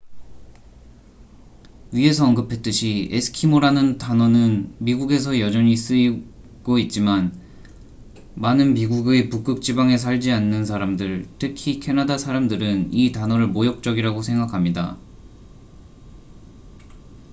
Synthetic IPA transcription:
ɥiɦe̞sʰʌʌnɡɯpʰe̞t͈ɯɕʰiesʰɯ̥kʰimoɾanɯntanʌnɯnmiɡuɡe̞s̬ʰʌjʌd͡ʑʌɲis͈ɯi | ɡ̥oit̚t͡ɕ͈iman | manɯnmiɡuɡepuk͈ɯk̚t͡ɕ͈ibaŋe̞s̬ʰaɭd͡ʑianːɯns̬ʰaɾamdɯɭtʰɯkʰikʰe̞nadasʰaɾamdɯɾɯnitanʌɾɯɭmojʌk̚t͡ɕ͈ʌɡiɾaɡosʰe̞ŋɡakʰamɲida̰

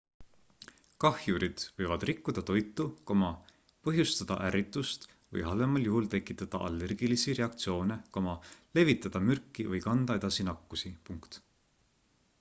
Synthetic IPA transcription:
kɑhjuɾid̪̥vɤjvɑd̪rikːˑud̪̥ɑt̪o̞jt̪ːˑukomɑ | pɤɦjust̪ɑd̪̥ɑ̰ʔæɾit̪ːˑust̪ | vɤ̰jɦɑlemɑljuhult̪e̞kːˑit̪ːˑɑd̪̥ɑʔɑ̰lːe̞rɡ̥ilisiɾe̞ɑk̚t̪sio̞ːne̞komɑle̞vit̪ːˑɑd̪̥ɑmyrkːˑivɯjkɑnd̪ɑe̞d̪̥ɑsinɑkːusipuŋkt̪

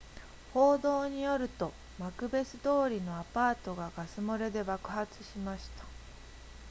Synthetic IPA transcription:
ho̞ːd̪o̞ːɲ̟ijo̞ɾɯ̟t̪o̞ | makɯ̟be̞sɨd̪o̞ːɾʲino̞apaːt̪o̞ɡaɡasɨmoɾe̞d̪e̞bakɯ̟hat͡sɨ̥ɕimaɕi̥t̪ḁ

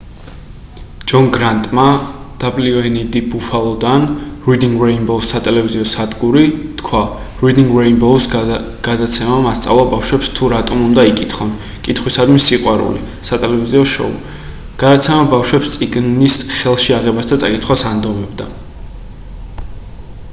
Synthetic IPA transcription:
d͡ʒɔnɡɾant̪ʼmad̪̥abliɔɛnid̪ibufalˠɔd̪anɾid̪iŋɡɾɛjnbɔsat̪ʼɛlɛviziɔsad̪ɡuɾit̪kʰwa | ɾid̪iŋɡɾajnbɔs | ɡ̥ad̪at̪sʰɛmamast̪sʼa̰vlˠabafʃwɛpst̪ʰuɾat̪ʼɔmund̪aikʼit̪ʰχɔn | kʼit̪ʰχwisad̪misiqʼwaɾṵlḭ | sat̪ʼɛlɛviziɔʃɔ̰ṵ | ɡ̥ad̪at̪sʰɛmabafʃwɛpst̪sʼiɡ̪isχɛlˠʃiaʁɛbasd̪at̪sʼakʼit̪ʰχwasand̪ɔmɛbd̪a

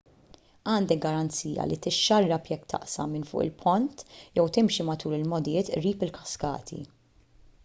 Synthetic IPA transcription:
ɐːnd̪ɛɡ̚ɡɐɾɐnt͡siːjɐ̰lit̪ɪʃːɐrːɐpjɛkt̪ʰɐ̰ʔsɐ̰mɪnfʊ̰ːʔɪ̰lpʰɔnt̪jɛwt̪ɪmʃimɐt̪uːɾɪlmɔd̪ɪjɪːt̪ʔɾiːpɪlkɐ̥skɐ̰ːt̪ʰḭ

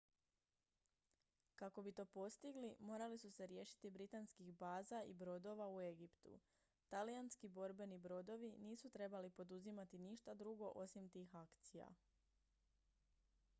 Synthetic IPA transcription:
kako̞bit̪o̞ːpo̞st̪iɡlimo̞ːɾalisuse̞ɾje̞ːʃi̥t̪ibɾit̪anskiɣbaːzaḭbɾo̞d̪o̞ʋaue̞ɡipt̪ṵ | t̪alijanskibo̞ɾbe̞nibɾo̞d̪o̞ʋiniːsut̪ɾe̞balipo̞d̪uzimat̪iniʃt̪ad̪ɾuɡo̞ʔo̞simt̪iːxakt̪sija̰

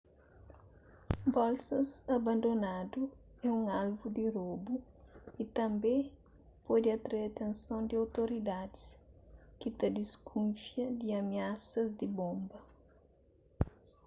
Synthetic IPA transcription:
bɔlsɐsɐbɐ̃nd̪onad̪u | ɛũŋalvud̪iɾobuit̪ɐ̃mbẽ | pɔd̪iɐt̪ɾaeat̪ẽnsõnd̪iawt̪oɾid̪ad̪i̥skit̪ɐd̪iskʰũnfjɐd̪iɐmiasɐzd̪ibõmbɐ

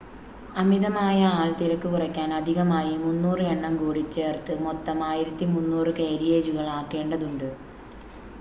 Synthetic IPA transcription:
ɐmiðɐmaːjɐaːɭt̪iɾɐkːɨkurɐkʲːaːnɐd̪ʱiɣɐmaːjimunːuːrɨeɳːɐmkuːɽit͡ɕːe̞ːrt̪ɨmot̪ːɐmaːjiɾɐt̪ːimunːuːrɨkejɾijeɾuɣɐɭaːkːe̞ːɳɖɐðuɳɖɨ

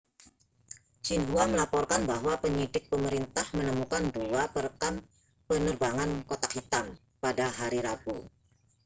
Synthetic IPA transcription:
d͡ʒinɦuaməlapɔrkanbaɦwapəɲidɪk̚pəməɾint̪ahmənəmukanduapərkan | pənərbaŋankot̪akhit̪am | padaɦaɾiɾabu

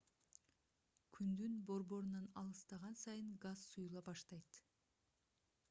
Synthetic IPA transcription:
kʰʲynd̪ynbo̞ɾbo̞ɾunɑnɑlˠɯst̪ɑʁɑnsɑjɯŋɡazsujulˠɑbɑʃt̪ɑjt̪

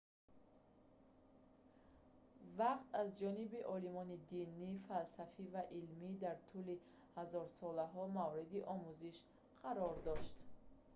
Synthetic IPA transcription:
vaqt̪azd͡ʒɔnibiʔɔlimɔnid̪inifalsafivaʔilmid̪aɾt̪ʰuli | hazɔɾsɔlaɦɔmavɾid̪iʔɔmuziʃ | qʰaɾɔɾd̪ɔʃt̪

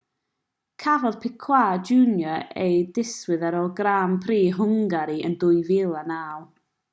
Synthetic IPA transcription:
kʰavɔðpʰɪkʰw̥aːd͡ʒunjɔejdɪswɪðaɾɔɡraːmpʰriːɦʊŋɡaɾiəndʊɨvɪlˠanaːlˠ

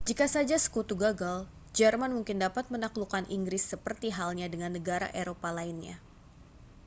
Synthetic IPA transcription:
d͡ʒikasad͡ʒasə̥kut̪uɡaɡal | d͡ʒɛrmanmuŋkɪndapat̪̚mənaklukanʔḭŋɡɾɪsːəpərt̪iɦalɲadəŋanːəɡaɾa̰ʔeɾopalainɲa̰

